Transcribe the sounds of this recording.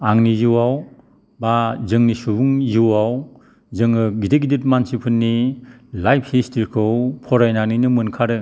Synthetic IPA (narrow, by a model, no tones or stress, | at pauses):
aŋnijɯwaw | bazɯŋnisubuŋjɯwaw | zɯŋɯɡideɡidit̚mansipʰɯnːi | lajpʰhistʰiɾkʰɯwpʰɔɾajnanɯnɯmɯnkʰaɾɯ